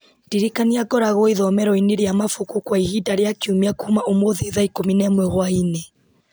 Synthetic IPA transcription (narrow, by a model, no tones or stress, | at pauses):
d̥iɾikaniaɡɔɾaɣɔiðɔmɛɾɔineɾiamafukukwaihidaɾjakiumiakuumaʔomoðiðaikominɛmwɛhwainɛ